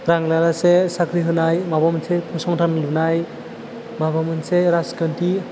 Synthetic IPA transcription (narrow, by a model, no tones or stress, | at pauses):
ɾaŋlaɾasesakɾiɦɯnajmabamɯnsepʰusɔŋtʰanlɯnaj | mabamɯnseɾaskanti